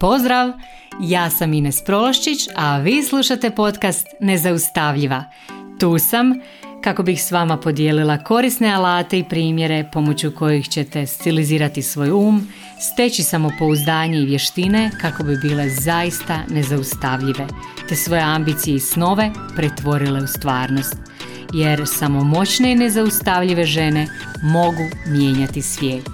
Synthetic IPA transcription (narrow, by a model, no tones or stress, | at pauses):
po̞zd̪ɾaʋ | jaːsaminespɾo̞loʃt͡ʃit͡ɕaʋiːslˠuʃat̪e̞po̞t̪kast̪ne̞zaust̪aʋʎiʋa | t̪uːsam | kako̞bixsʋamapo̞d̪jeːlilˠako̞ɾisne̞alaːt̪e̞ipɾiːmje̞ɾe̞po̞mo̞t͡ɕuko̞jixt͡ɕe̞t̪e̞st̪iliziːɾat̪isʋo̞ːjuːm | st̪e̞t͡ɕisamo̞po̞uzd̪aːɲe̞iʋje̞ʃt̪ine̞kako̞bibiːle̞zajist̪ane̞zaust̪aʋʎiʋe̞t̪e̞sʋo̞jeambiːt̪sijeisno̞ʋe̞ | pɾet̪ʋo̞ɾile̞ust̪ʋaːɾno̞st̪ | je̞ɾsamo̞mo̞t͡ɕne̞ine̞zaust̪aʋʎiʋe̞ʒe̞ne̞ | mo̞ɡumjeːɲat̪isʋjeːt̪